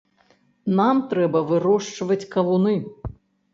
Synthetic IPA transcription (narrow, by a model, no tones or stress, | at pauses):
namt̪ɾɛbɐvɨɾɔʂt͡ʂvɐt͡sʲkɐvunɨ